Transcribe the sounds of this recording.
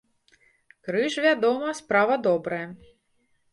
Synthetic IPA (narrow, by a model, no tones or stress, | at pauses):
kɾɨʂvʲad̪ɔmɐspɾavɐd̪ɔbɾɐjɐ